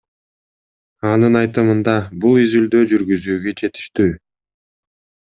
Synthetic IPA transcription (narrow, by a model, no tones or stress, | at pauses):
ɑnɯnɑjt̪ɯmɯnd̪ɑbulˠizyld̪øːd͡ʒyɾɡyzyːɡøt͡ʃe̞t̪i̥ʃt̪yː